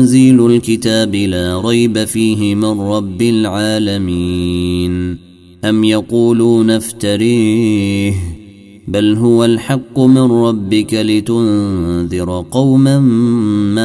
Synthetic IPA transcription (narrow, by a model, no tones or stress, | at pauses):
ziːlʊlkɪt̪aːbɪlaːɾˤɑjbafiːɦɪmɪnɾˤɑbːɪlʕaːlamiːn | ʔamjɑquːluːnaft̪aɾiːh | balɦʊwalħɑqːʊmɪnɾˤɑbːɪkalɪt̪ʊnðɪɾˤqɑwmanma